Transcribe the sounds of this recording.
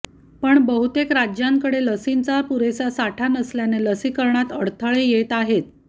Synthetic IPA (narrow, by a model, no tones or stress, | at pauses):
pəɳbəɦut̪ekɾad͡ʑjaŋkəɽeləsint͡sapuɾesasaʈʰanəsljaneləsikəɾɳat̪əɽt̪ʰəɭejet̪aɦet̪